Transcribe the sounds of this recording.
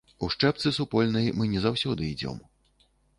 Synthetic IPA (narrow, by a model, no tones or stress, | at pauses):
uʂt͡ʂɛp̚t̪sɨsupɔlʲnɐjmɨnʲɛzawsʲɔd̪ɨid͡zʲɔ̰m